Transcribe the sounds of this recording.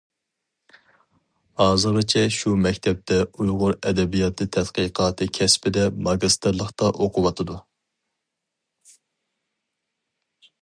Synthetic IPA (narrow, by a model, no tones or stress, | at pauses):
hɑːzɨɾɨt͡ʃʰɛʃumɛkʲt̪ʰɛp̚t̪ʰɛujʁʊɾɛd̪ɛbijɑt̪ʰɨt̪ʰɛt̪qəqʰɑːt̪ʰɨkʲʰɛspɪd̪ɛmɑɡɨst̪ʰɨɾlˠəχt̪ɑʔoqʰʊwɑt̪ʰɨd̪u